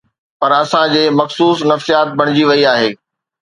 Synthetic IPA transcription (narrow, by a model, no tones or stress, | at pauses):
pɐɾɐsãd͡ʑeːmɐxsuːsnɐfsijaːt̪̚bʱɐɽ̃ɪd͡ʑiʋɐiaːɦeː